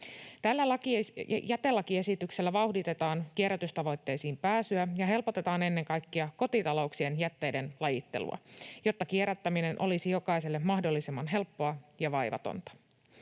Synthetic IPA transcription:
t̪ælːælɑkijæt̪elːɑkie̞sit̪ykse̞lːæʋɑuhdit̪e̞t̪ɑːŋk̟ieɾæt̪yst̪ɑʋo̞jt̪ːe̞jsiːmpæːsyæjɑɦe̞lpo̞t̪e̞t̪ɑːne̞nːe̞ŋkɑjkːiɑko̞t̪it̪ɑlo̞uksie̞njæt̪ːe̞jde̞nlɑjit̪ːe̞̰lṵɑ̰jo̞t̪ːɑkieɾæt̪ːæmine̞nʔo̞lisijo̞kɑjse̞lːemmɑhdo̞lːisemːɑnɦe̞lpːo̞ɑjɑʋɑjʋɑ̰t̪o̰nt̪ɑ̥

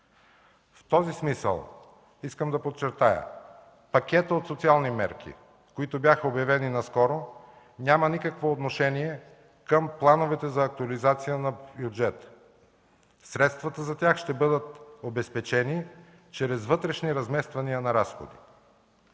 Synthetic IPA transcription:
ft̪ɔzismisə̰lˠ | iskəmd̪ɐpot̪t͡ʃːɛɾt̪ajə̰ | pɐkʲɛt̪əot̪sot̪sialˠnimɛɾkʰḭ | koit̪objaxəobjɐvɛninɐskɔɾo | nʲamɐnikəkvoːt̪noʃɛniɛ | kəmplˠanovɛt̪ɛzɐːk̚t̪uɐlizat̪sijənɐbjud͡ʒɛt̪ | sɾɛt̪st̪vɐt̪əzɐt̪ʲjaxʃt̪ɛbɤd̪ət̪obɛspɛt͡ʃɛni | t͡ʃɛɾɛzvɤt̪ɾɛʃniɾɐzmɛst̪vɐniənɐɾasxo̰d̪ḭ

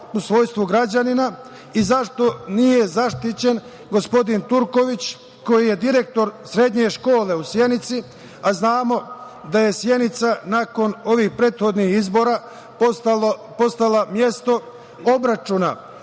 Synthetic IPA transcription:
usʋo̞ːjst̪ʋuɡɾad͡ʑanina | izaʃt̪o̞nije̞zaʃt̪it͡ɕe̞n | ɡo̞spo̞d̪int̪uɾko̞ʋit͡ɕ | ko̞jije̞d̪iɾe̞k̚t̪o̞ɾsɾe̞d̪ɲe̞ʃko̞ːle̞usje̞nit̪si | aznaːmo̞ | d̪aje̞sje̞nit̪sanako̞no̞ʋiːxpɾe̞ːt̪xo̞d̪nixizbo̞ːɾa | apo̞st̪alamje̞st̪o̞ | o̞bɾat͡ʃuna̰

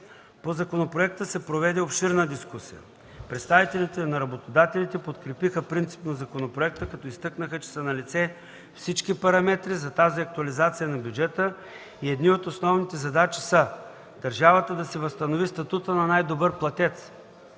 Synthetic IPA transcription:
pozɐkonopɾoɛk̚t̪əsɛpɾovɛd̪ɛopʃiɾnəd̪iskusijə̰ | pɾɛt̪st̪avit̪ɛlit̪ɛnɐɾɐbot̪od̪at̪ɛlit̪ɛpot̪kɾɛpixəpɾint̪si̥pnɐzɐkonopɾoɛk̚t̪əkɐt̪ɔist̪ɤknəxət͡ʃɛ̥sənɐlit̪sɛ | fsit͡ʃkipɐɾɐmɛt̪ɾizɐt̪aziɐk̚t̪ʊɐlizat̪sijənɐbjud͡ʒɛt̪ə | iɛd̪niot̪osnɔvnit̪ɛzɐd̪at͡ʃi̥sə | d̪̥ɐɾʒavət̪əd̪ɐsɛvəst̪ɐnovist̪ɐt̪ut̪ənɐnajd̪obɤɾplˠɐt̪ʲɛt̪s

